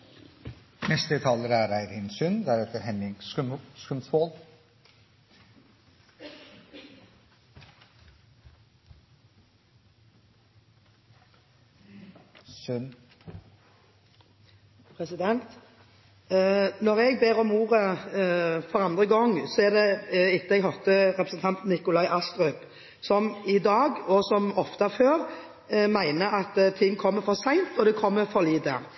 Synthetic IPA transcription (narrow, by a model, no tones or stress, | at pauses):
nɛst̪ət̪ʰɑːləɾæɾæɪɾɪnsʉnd̪æɾɛt̪əɾhɛnɪŋsskʉmsol | sʉn | pʰɾɛsɪd̪ɛnt̪ | nɔʁɛɡbeːʁɔmuːʁə | fɔʁɑnd̪ʁəɡɔŋːsɔɛʁd̪ɛɪt̪ːəɛɡɦɔt̪əʁɛpɾəsn̩t̪ʰɑnt̪nɪkʊlɑɪʔɑst̪ʁʉp | sɔmɪd̪ɑːɡɔsɔmɔft̪ɑføːʁ | mæɪnəɑt̪t̪ʰɪŋːkʰɔmːəfɔʁsæɪnt̪ɔd̪ɛkʰɔmːəfɔliːd̪ə